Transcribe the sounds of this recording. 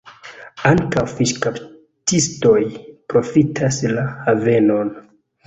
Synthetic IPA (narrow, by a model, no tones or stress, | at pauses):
aŋkawfiʃkap | tisto̞jpɾo̞fitʰaslahave̞no̞n